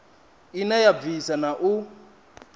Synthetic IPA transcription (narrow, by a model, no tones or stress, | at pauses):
inajabvisanaʔu